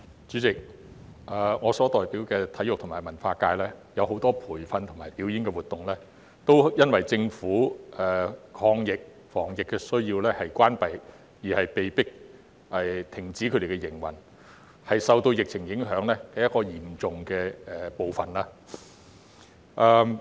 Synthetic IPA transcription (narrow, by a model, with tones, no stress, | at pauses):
t͡ʃyː˨˥t͡sɪ˨k̚ | aː˨˧ŋɔː˨˧sɔː˨˥t̪ɔː˨jpiː˨˥wkɛː˧t̪ʰɐ˨˥jʊ˨k̚t̪ʰʊ˨˩maː˨˩jmɐ˨˩nfaː˧kaː˧jlɛː˥jɐ˨˧wɦo˨˥wt̪ɔː˥pʰuː˨˩jfɐ˧nt̪ʰʊ˨ŋmaː˨˩jpiː˨˥wjiː˨˥nkɛ˧wuː˨˩t̪ʊ˨ŋlɛː˥ | t̪o˥wjɐ˥nwɐ˨˩jt͡sɪ˧ŋfuː˨˥ɛː˨˩kʰɔː˧ŋjɪ˨k̚ | fɔː˨˩ŋjɪ˨kːɛː˧sɵ˥ɥjiː˧wlɛː˥hɐ˨jkʷwaː˥npɐ˨j | jiː˨˩hɐ˨jpe˨jpɪ˥k̚ | ʔɛ˨˩t̪ʰɪ˨˩ŋt͡siː˨˥kʰɵ˨˧ɾe˨˩kɛ˧jɪ˨˩ŋwɐ˨˩n | hɐ˨jsɐ˨wt̪o˧wjɪ˨k̚t͡sʰɪ˨˩ŋjɪ˨˥ŋɦœː˨˥ŋlɛː˥kɛː˧jɐ˥t̚kːɔː˧jiː˨˩mt͡sʊ˨ŋkɛː˧˨po˨wfɐ˨˩nlaː˥ | ʔɛː˨˧